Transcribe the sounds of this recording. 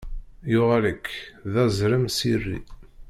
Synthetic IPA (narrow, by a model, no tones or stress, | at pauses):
jʊʁaləkːðæzɾəmsirːḭ